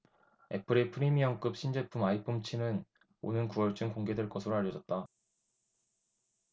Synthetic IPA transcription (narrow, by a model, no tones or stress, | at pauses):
e̞pʰɯɾepʰɯɾimiʌŋk͈ɯp̚ɕ͈ʰind͡ʑepʰumaipʰumt͡ɕʰinɯn | o̰nɯnkuwʌɭt͡ɕ͈ɯmkoŋɡe̞dweɭk͈ʌsʰɯɾoaʎːʌd͡ʑʌt̚t͈a